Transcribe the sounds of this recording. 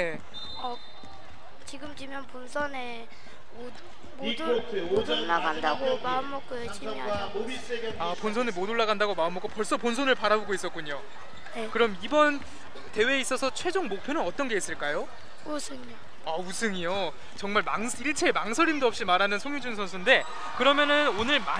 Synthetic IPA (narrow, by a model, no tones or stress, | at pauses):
e | ʌ | t͡ɕiɡɯmt͡ɕimjʌnponsʰʌne | o | motʰodoɭːaɡandaɡomaɯnmʌk̚k͈oet͡ɕimʌ | ois͈eɡeaponsʰʌnemodoɭːaɣandaɡomaɯmok͈opʌɭs͈ʌponsʰonɯɭpaɾaboɡois͈ʌt̚k͈uɲo | nekɯɾʌmibʌn | te̞weːis͈ʌsʰʌt͡ɕʰwe̞d͡ʑoŋmok̚pʰjonɯnʌt͈ʌnɡe̞is͈ɯɭk͈ajo | usʰɯŋio | ausʰɯŋijo | t͡ɕʌŋmaɭmaŋsʰiɭt͡ɕʰemaŋsʰʌɾimdoʌp̚ɕ͈imaɾanɯnsʰoŋjud͡ʑuŋsʰʌnsʰunde̞ | kɯɾʌmjʌnɯnonɯɭma